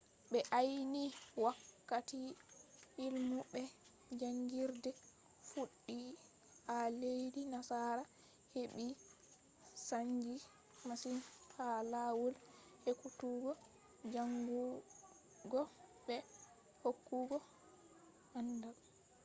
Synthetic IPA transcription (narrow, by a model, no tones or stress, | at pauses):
ɓɛʔajniwakːati | ilmuɓɛ | d͡ʒaŋɡiɾdɛ | fuɗːi | alejdinasaɾa | heɓi | saɲd͡ʒi | masinhalawulhekutuɡɔ | d͡ʒaŋɡu | ɡɔbɛ | hokːuɡɔ | ʔandam